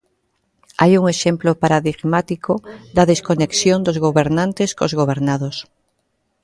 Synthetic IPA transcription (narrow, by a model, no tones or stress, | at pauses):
ajuŋeʃemplopaɾaðiɣmat̪ikod̪ɐðeskoneksjond̪ozɣoβeɾnãnt̪eskozɣoβ̞eɾnaðos